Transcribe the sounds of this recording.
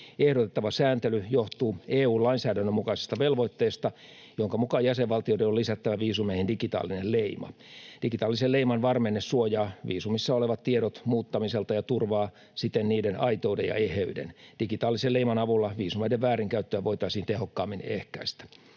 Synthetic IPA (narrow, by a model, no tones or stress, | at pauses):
ehɾot̪et̪ːɑʋɑsæːnt̪elyjoht̪uːeːuːlɑinsæːdænːømukɑise̥st̪ɑʋelʋoit̪ːeːst̪ɑ | joŋkɑmukɑjæseʋʋɑlt̪iodenolisæt̪ːæʋæʋiːsumehindikit̪ɑ̰ːlinelleimɑ̰d̥iɡit̪ɑːlːiselleimɑnʋɑrmenːessuojɑːʋḭːsumisːɑoleʋɑt̪t̪ieɾot̪muːt̪ːɑmiselt̪ɑjɑt̪urʋɑː | sit̪ːˑenniːdenɑit̪oːdejɑ̰eheydḛnd̥ikit̪ɑːlːiseleimɑnɑʋulːɑʋiːsumedeʋʋæːriŋkæyt̪ːøæʋoit̪ɑisiːnt̪ehokːɑːmːinḛhkæist̪æ̥